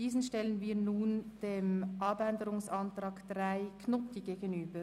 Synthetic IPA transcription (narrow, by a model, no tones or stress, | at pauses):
d̥iːsn̩ʃtɛlənviːnuːnd̥eːmʔɑbɛndəɾʊŋsɑntɾɑːɡd̥raɪkʰnɔtʰiɡeːɡənyːbə